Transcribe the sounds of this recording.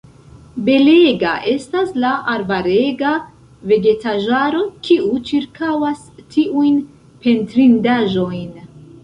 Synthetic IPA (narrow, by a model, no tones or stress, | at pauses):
be̞leɡa̰ʔe̞staslaʔaɾvaɾe̞ɡa | ve̞ɡe̞taʒaɾo̞kʰiut͡ʃiɾkʰawas | tʰiʔujn | pe̞ntɾindaʒo̞jn